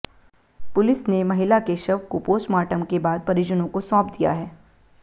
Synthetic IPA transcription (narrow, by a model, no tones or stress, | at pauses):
pʊlɪsnemɐɦɪlakeʃɐʋkopoːsʈmaːʈəmkebaːd̪̚pɐɾɪd͡ʒənõkosɔ̃ːpd̪ija̰ɦɛː